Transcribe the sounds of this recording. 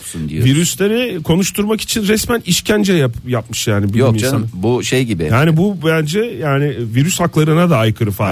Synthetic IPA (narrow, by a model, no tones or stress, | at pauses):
viɾyslʲeɾɪkʰo̞nuʃt̪ʰuɾmaki̥t͡ʃʰinɾɛsmæniʃcʰænd͡ʒɛjapjapmɯʃjaːnibijomisabuʃejɟibɪjaːnibubænd͡ʒɛjaːnɪviɾyshaklˠaɾɯnad̪aːjkʰɯɾɯfa